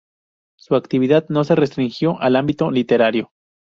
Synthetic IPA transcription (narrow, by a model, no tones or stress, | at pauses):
suakt̪iβ̞iðaðno̞se̞re̞st̪ɾiŋxjo̞ʔalambit̪o̞lit̪e̞ɾaɾjo̞